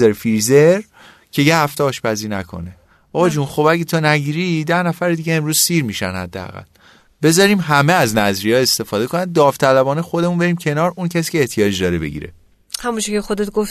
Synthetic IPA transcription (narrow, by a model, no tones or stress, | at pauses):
eɾfiɾzeɾ | cʰe̞jehæft̪ɛɒːʃbæziːnæ̰kʰo̰ne | ʔɒːbɒd͡ʒuːnxo̞bæɡɟet̪ʰonæɟiːɾid̪æhnæfæɾed̪iɟeemɾuːz̥siːɾmiːʃæ̰nhæ̰d̪ːeæ̰ɣæ̰lː | be̞zɒːɾiːmɦæmeæznæzɾiːjɒːe̞st̪e̞fɒːd̪e̞kʰonænd̪ɒːft̪ʰælæbɒːnexo̞d̪emunbe̞ɾiːmcʰe̞nɒːɾuncʰæsi̥ːcʲeːht̪ʰijɒːd͡ʒd̪ɒːɾebe̞̰ɟḭɾḛ | hæmunt͡ʃʰecexod̪et̪̚ɡof